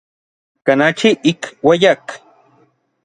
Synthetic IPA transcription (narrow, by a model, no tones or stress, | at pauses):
kanat͡ʃiʔikwajak